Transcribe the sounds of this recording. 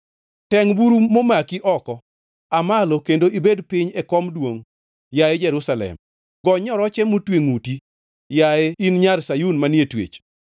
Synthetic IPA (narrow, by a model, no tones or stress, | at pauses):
tɛŋbuɾumomakiʔɔkɔ | amalokendoibedpɪɲɛkɔmdwoŋ | jaed͡ʒɛɾusalɛ̰m | ɡɔɲɔɾɔt͡ʃɛmutweŋuti | jaeinɲarsajunmanjetwḛt͡ʃ